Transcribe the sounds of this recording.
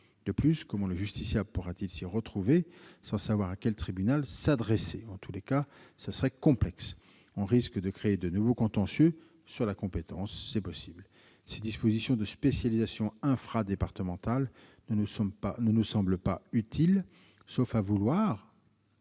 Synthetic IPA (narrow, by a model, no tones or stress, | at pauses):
d̪̥əplyskɔmɑ̃ləʒyst̪isjapuʁat̪ilsiʁət̪χuvesɑ̃savwaʁakʲɛlt̪χibynalsad̪ʁɛseɑ̃t̪ʰulekasəsəʁɛkɔ̃plɛks | ɔ̃ʁiskd̪əkχeːd̪ənuvokɔ̃t̪ɑ̃sjø | syʁlakɔ̃pet̪ɑ̃sːɛpɔsibl | sed̪ispozisjɔ̃d̪əspesjalizasjɔ̃ɛ̃fχad̪epaʁt̪əmɑ̃t̪alnəusɔ̃panənusɑ̃bləpayt̪ʰil | sofavulwaʁ